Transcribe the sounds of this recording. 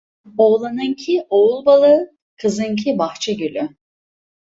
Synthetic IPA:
olˠanɯŋcʰioulˠbalˠɯ | kʰɯzɯŋcʰibaxt͡ʃʰɛɟølʲy

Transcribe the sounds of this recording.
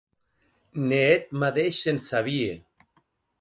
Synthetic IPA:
neet̪̚maðeʃensaβie

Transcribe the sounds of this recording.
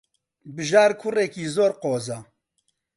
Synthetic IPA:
bɨʒaːɾkʰʊrɛkiːzoːɾqoːzaː

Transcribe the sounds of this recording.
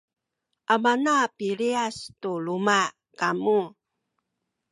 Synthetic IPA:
ʔamanapiɾiastuluma | kamu

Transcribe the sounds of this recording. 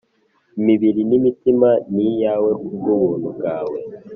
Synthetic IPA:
imiβiɾinimitimanijaːwekuɡumuːn̥̤uɡaːwe

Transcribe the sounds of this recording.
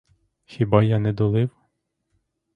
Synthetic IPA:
xʲibɑjɑnɛd̪ɔlˠɪw

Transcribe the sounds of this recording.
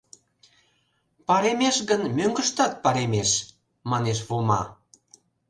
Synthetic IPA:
pɑɾemeʃɣənmøŋɡə̆ʃt̪ɑt̪̚pɑɾemeʃ | mɑneʃ̬βomɑ̰

